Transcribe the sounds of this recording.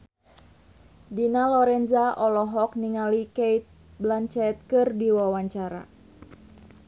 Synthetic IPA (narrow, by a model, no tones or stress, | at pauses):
dinalɔɾɛnzaʔɔlɔɦɔk̚niŋalikeit̪̚ | blaɲt͡ʃɛt̪̚kɨrdiwawaɲt͡ʃaɾa̰